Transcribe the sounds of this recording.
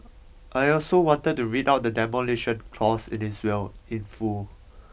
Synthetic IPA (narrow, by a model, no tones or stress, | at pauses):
ʔajɔlsowɔ̃ntəd̚tːuɹitawt̚dədɛmoleʃə̃nkʰlɔsḭ̃niswɛlĩnfu